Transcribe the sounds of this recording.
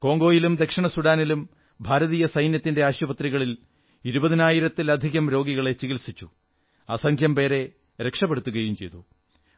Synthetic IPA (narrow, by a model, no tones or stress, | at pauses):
ko̞ːŋɡo̞ːjilumd̪e̞kʂɐɳɐsuɽaːnilum | bʱaːɾɐðiːjɐsɐjnjɐt̪ːinde̞aːɕubɐt̪riɣɐɭil | iɾubɐðinaːjiɾɐt̪ːilɐd̪ʱiɣɐmɾo̞ːɡiɣɐɭe̞t͡ɕiɣilsit͡ɕːu | asɐŋkʰjɐmpe̞ːɾe̞ | ɾe̞kʂɐpːeɽut̪ːuɣɐjumt͡ɕe̞̰jt̪u